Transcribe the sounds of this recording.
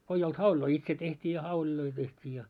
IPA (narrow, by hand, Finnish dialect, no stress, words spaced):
ko ei olt hɑulʲiloi itse tehtʲiː jɑ hɑulʲiloi tehtʲiː jɑ